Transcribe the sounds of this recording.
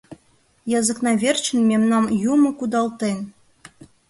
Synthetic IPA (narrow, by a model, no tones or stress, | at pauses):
jɑzɤ̆knɑvʲert͡ɕɘ̆nmʲemnɑmjumɤ̆kud̪ɑlt̪en